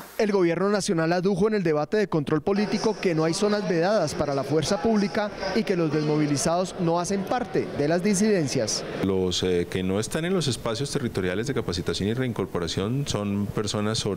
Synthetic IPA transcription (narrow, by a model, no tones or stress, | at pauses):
e̞lɡo̞βje̞ɾno̞nasjo̞nalaðuxo̞ene̞ld̪e̞β̞at̪e̞ðeko̞nt̪ɾo̞lpo̞lit̪iko̞ke̞no̞ajso̞nazbe̞ðaðaspaɾalafwe̞ɾsapuβlikaike̞lo̞zd̪e̞zmo̞β̞ilisaðo̞zno̞ase̞mpaɾt̪e̞ðe̞lazd̪is̬iðe̞nsjaslo̞skeno̞e̞st̪ane̞nlo̞se̞spasjo̞st̪e̞rit̪o̞ɾjale̞zd̪e̞kapasit̪asjo̞nire̞iŋko̞ɾpo̞ɾasjo̞nso̞npe̞ɾso̞nasːoβ